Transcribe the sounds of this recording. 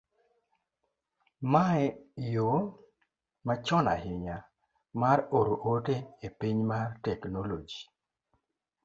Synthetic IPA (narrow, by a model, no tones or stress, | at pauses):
maɛjo | mat͡ʃɔna̰ɦɪɲa | maɾoɾoʔoteepiɲmartɛknolod͡ʒi